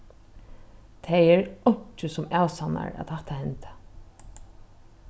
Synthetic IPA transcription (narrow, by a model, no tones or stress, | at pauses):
t̪ʰɛjɛɹɔɲ̥t͡ʃɪsʊmaːwsana̰ɹa̰ðt̪haht̪ahɛnt̪ḁ